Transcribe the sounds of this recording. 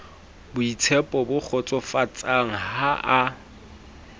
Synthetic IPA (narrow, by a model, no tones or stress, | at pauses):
bʊit͡sʰɛpʼɔbʊk͡xʰɔt͡sʼɔfat͡sʼaŋ̩haʔa